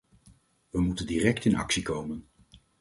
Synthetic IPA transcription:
ʋəmutəndirɛktɪnɑ̰ksikowmən

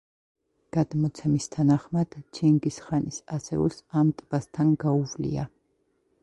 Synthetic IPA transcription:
ɡ̥ad̪mɔt̪sʰɛmist̪ʰanaχmad̪̥t͡ʃʰiŋɡisχanisasɛ̰ṵsamt̪ʼb̥ast̪ʰanɡauvlḭa̰

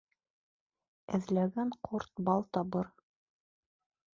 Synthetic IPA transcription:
ɘ̆ðlæɡæɴqʰoɾt̪bɑlˠt̪ɒβɤɾ

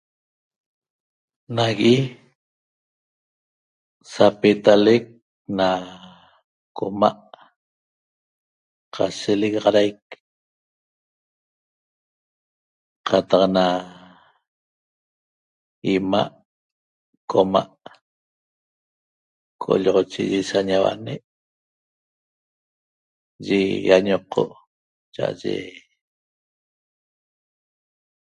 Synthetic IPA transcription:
naɣʔi | sapet̪alek̚ | na | koma̰ʔ | qʰaseleɣɑʁɑɾajk | qʰat̪ɑqna | imaʔ | kʰomaʔ | kʰoʔoʎɔʁot͡ʃiʒisaɲawa̰ʔneʔ | ʒejaɲoqʰːo̰ʔ | t͡ʃa̰ʔa̰ʒḛ

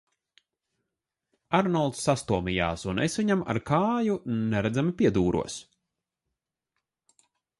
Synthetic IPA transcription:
aɾnɔlˠt̪sːast̪uɔmʲija̰ːsunesvʲiɲama̰ɾkaːjunɛɾæd̪zæmipʲiɛd̪uːɾʔṵɔs

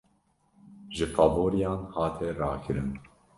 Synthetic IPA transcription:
ʒɨfɑboːɾijɑːnhɑːt̪ʰɛɾɑːkʰɨɾɨn

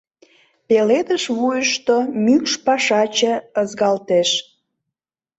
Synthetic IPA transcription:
peled̪əʃβujəʃt̪omykʃpɑʃɑt͡ɕə̆əzɣɑlt̪eʃ

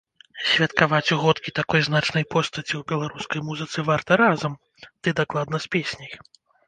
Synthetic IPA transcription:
sʲvʲɐt̪kavat͡sʲuɣɔt̪kʲit̪akɔjznat͡ʂnɐjpɔst̪ɐt͡sʲiwbʲɛlˠaɾuskɐjmuzɨt̪sɨvart̪ɐɾazɐm | d̪̥ɨd̪aklˠad̪̚nɐspʲesʲnʲɐj

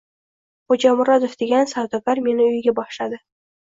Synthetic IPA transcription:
χod͡ʒamʊɾɒd̪ofd̪̥e̞ɡʲansawd̪ɒbaɾme̞nɪʊjɡʲabɒʃlad̪ɪ

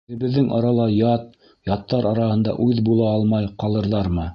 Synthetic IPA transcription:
ɘ̆βɘ̆ðːɘŋʔɑ̰ɾɑlˠɑjɑt̪̚ | jɑt̪ːɑɾʔɑɾɑhɤ̆nd̪ɑ̰ʔʉðbulˠɑɑlˠmɑjqɑlˠɤ̆ɾðɑɾmɤ

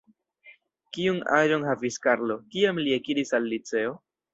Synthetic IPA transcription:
kiuna̰ʒo̞nhaviskaɾlo̞kiamliekidisalːit͡se̞o̞

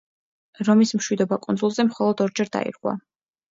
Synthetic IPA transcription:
ɾɔmismʃwid̪ɔbakʼund̪zulˠzɛmχɔlˠɔd̪ɔɾd͡ʒɛɾd̪a̰ḭɾqʼwa̰

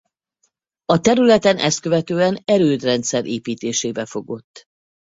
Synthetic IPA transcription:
ɒt̪ɛɾylɛt̪ɛnʔɛ̰st̪kø̞vɛt̪øːɛnɛɾøːd̪rɛnt̪sɛɾʔeːpiːt̪eːʃeːbɛfo̞ɡo̞t̪ː

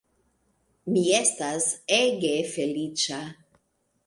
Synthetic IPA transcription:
miest̪azeɡefelit͡ʃa

